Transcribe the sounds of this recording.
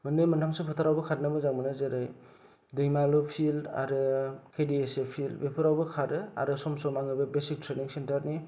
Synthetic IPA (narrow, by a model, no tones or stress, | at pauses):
mɯnɯjmɯntʰamsɯpʰɯtʰaɾawbɐkʰaɾ̚namɯzaŋmɯnɯzeɾaj | dɯjmalɔpʰilda̰ɾɯkʰediesepʰilbepʰɯɾawbɯkʰaɾɯa̰ɾɯsɔmsɔmaŋɯbɯbesik̚tʰɾeniŋsentaɾni